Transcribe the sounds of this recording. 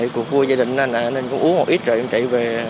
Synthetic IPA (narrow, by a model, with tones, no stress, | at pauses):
ə˨jku˨˩ək̚vu˧əzaː˧ɗï˨ŋ̟ʔa˧˩naː˨˩ne˧nkʊ̰˧˥wŋ͡mʔu˨˦əŋmo˨˩ʔi˦˥t̚zə̰ː˨ʔə˨˩t͡ɕḭ˧˨ve˨˩